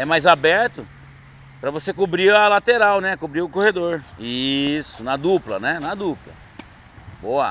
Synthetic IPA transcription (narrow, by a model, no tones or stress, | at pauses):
ɛmajzabɛɾt̪ʊ | pɾɐvosekubɾiɾɐlat̪eɾawnɛkobɾiʊkohed̪oɾisʊnɐd̪uplɐ̰nɛnɐd̪uplɐ̰ | boɐ